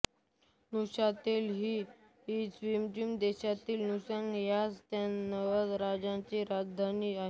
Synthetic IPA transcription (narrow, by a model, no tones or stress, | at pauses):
nuɕat̪iːlɦiː | ɦisʋimd͡ʑimd̪eɕat̪iːlnusaŋɡjast̪janəʋəd̪ɾad͡zãt͡ɕiɾad͡zd̪ʱaniaɦe